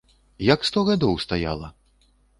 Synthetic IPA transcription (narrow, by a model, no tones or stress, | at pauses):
jakst̪ɔɣad̪ɔwst̪aja̰lˠɐ̰